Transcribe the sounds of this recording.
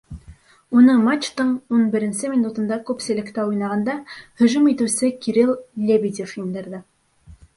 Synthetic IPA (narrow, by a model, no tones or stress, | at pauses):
unɤɴmat͡ʃt̪ɤɴunbɘ̆ɾɘ̆nsɘmʲinut̪ɤ̆nd̪ɑkʉpsɘ̆lɘ̆kt̪æujnɑʁɑnd̪ɑhɵ̆ʒumit̪ɘ̆wsɘkiɾilˠːʲebʲid̪ʲifind̪ɘ̆ɾðɘ